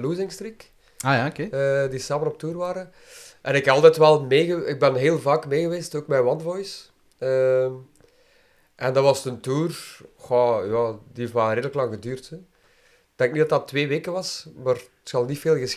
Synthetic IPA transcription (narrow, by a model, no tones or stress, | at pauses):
luzɪŋstrik | aːjaokeːədisaːmənɔp̚tuːrʋaːɾə | ʔɛnɪkɑlˠtɛtʋɛlˠmeːɣəɪɡ̚bɛnɦeːlˠvaːkmeːɣəʋeːstoːk̚mɛwɑnvɔjs | əm | ʔɛndɑʋɑstəntuːrxajaːdieftmaːɾeːdələklɑŋɣədyːrtə | ɡ̚d̥ɛŋknidɑtdɑtʋeːʋeːkəʋɑsmaːr | txɑlˠnifeːlˠɣəs